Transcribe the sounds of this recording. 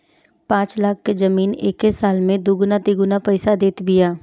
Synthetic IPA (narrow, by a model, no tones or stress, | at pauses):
pãːt͡ʃlaːkʰːezɐmiːneːkɦesaːlmẽd̪uːɡʊnat̪iɡʊnapɛɪsad̪eːt̪bʱɪjaː